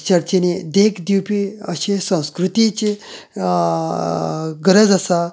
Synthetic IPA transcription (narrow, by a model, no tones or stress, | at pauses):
t͡ɕəɾt͡ɕened̪ekʰd̪iwpiəɕesə̃w̃skɾut̪it͡ɕe | ɡəɾəd͡zəsa